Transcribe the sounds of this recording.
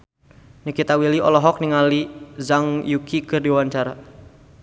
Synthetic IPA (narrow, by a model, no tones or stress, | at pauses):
nikit̪awiliɔlɔɦɔk̚niŋalizaŋjukʰikɨrdiwaɲt͡ʃaɾa